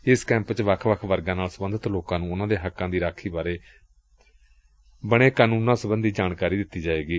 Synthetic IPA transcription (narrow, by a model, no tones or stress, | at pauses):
ɪskɛ̃ːmpt͡ʃʋəkʰʋəkʰʋəɾɡãːnaːlsəbənd̪ət̪loːkãːnũːʊnãːd̪eːɦəkːãːd̪iːɾaːkʰːiːbaːɾeː | bəɽ̃eːkaːnũːnãːsəbənd̪iːd͡ʒaːɳkaːɾiːd̪ɪt̪ːiːd͡ʒaːeːɡiː